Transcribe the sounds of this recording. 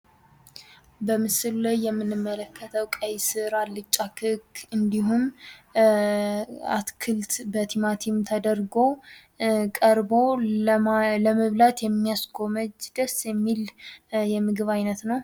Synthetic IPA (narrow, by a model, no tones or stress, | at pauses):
bəmɨsɨlulajːɛmːɨnːɨmːələkːət̪ʰəwkʼajsɨɾalːɨt͡ʃʼːakʰɨkʰːɨnd̪iɦum | a̰t̪kʰɨlt̪bət̪ʰimat̪ʰimt̪ʰəd̪əɾɡo̞ | kʼəɾbo̞ | ləməβlat̪jɛmːijasɡo̞məd͡ʒd̪əsjɛmːiljɛmɨɡɨβajnət̪nəw